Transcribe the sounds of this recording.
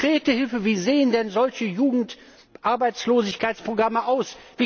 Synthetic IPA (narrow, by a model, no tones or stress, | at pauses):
ʁ̥eːtəhɪlfəviːzeːəndɛnzɔlçəjuːɡŋ̩t | ʔaɐbaɪt͡sloːzɪçkʰaɪt͡spʁ̥oɡʁaməʔaʊsv̥iː